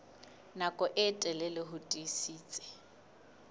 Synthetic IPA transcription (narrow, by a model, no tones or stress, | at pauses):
nakʼɔʔɪtʼɛlɛlɪɦʊtʼisiːt͡sʼɛ̥